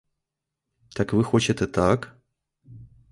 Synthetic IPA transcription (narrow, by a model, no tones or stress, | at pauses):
t̪akvɨxot͡ɕɪt̪ɨt̪ak